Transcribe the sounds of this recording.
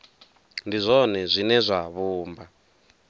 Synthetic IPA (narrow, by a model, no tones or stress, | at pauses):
ndizʷɔnɛzʷinɛzʷaβuːmba